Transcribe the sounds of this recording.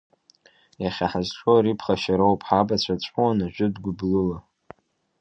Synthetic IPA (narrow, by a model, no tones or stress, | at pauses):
jaχʲaħazʈ͡ʂoɾipʰχaʃaɾowpʰʼħabat͡ɕʷʰat͡ɕʷʼuwanaʒᶣʊdɡʷʊblɨla